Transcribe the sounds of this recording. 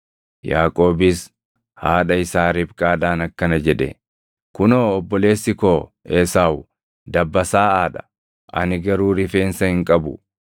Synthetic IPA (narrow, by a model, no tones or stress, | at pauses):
jaːkʼo̞ːbɪs | haːᶑɐɪsaːɾɪbkʼaːd̪aːnɐkːɐnɐd͡ʒɛᶑɛ̰ | kʊnoːɔbːɔle̞ːsːɪkoː | eːsaːw | d̪ɐbːɐsaːaːᶑɐ̥̰ | ʔɐ̰nɪɡɐɾuːɾɪfe̞ːnsɐhɪŋkʼɐbʊ̰